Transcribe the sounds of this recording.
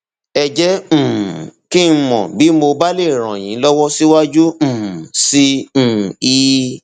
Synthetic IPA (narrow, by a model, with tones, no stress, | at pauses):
ɛ˨d͡ʒɛ˦m̩̃˨ki˦n̩˦˧mɔ̰̃˨bi˨˦mo˧ba˦le˦˨ɾ̃ã̰˨j̃ĩ˨˦lɔ˦wɔ˦si˦wa˦d͡ʒũ˦˨sĩ˧˦˨ | iː˧